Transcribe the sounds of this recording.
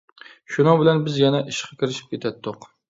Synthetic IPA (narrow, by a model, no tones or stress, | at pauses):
ʃʊnɑŋbɪlænbɪzjɛnɛʔɪʃqʰɑ̥kʲʰɪɾɪʃɪ̥p̚kʲʰet̪ʰad̪d̪ʊq